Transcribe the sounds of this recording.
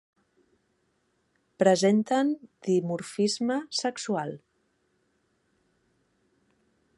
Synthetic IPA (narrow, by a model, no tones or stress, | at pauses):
pɾəzent̪ənd̪̥imuɾfizməsəksualˠ